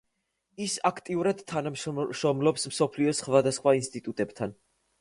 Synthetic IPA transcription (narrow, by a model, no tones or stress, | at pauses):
isakʰt̪ʼiuɾad̪̥t̪ʰːanamʃʃɾɔmlɔpsmsɔpʰliɔsχvad̪asχwainst̪ʼit̪ʼut̪ʼɛbt̪ʰan